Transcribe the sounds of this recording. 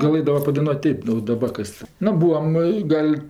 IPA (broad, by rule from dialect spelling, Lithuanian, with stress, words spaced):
ɡɐˈlˠɘdɐʋɐ pɐdɐɪˈnuɔtʲ ˈtʲeːp oː dɐˈbɐr kɐs ˈnʊ ˈbuːɐm ɪ ˈɡɐlʲ